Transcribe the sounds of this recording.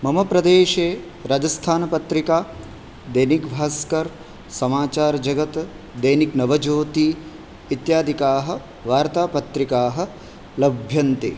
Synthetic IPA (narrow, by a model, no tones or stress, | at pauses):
mɐmɐpɾɐd̪eːʃeː | ɾaːd͡ʒɐst̪ʰaːnɐpɐt̪ɾikaː | d̪ɐjnikbʱaːskɐɾ | sɐmaːt͡ʃaːɾd͡ʒɐɡɐt̪ | d̪ɐjniknɐʋɐd͡ʒoːt̪i | it̪jaːd̪ʱikaːɦɐ̆ | ʋaːɾt̪aːpɐt̪ɾikaːɦɐ̆ | lɐbʱjɐnt̪ḛː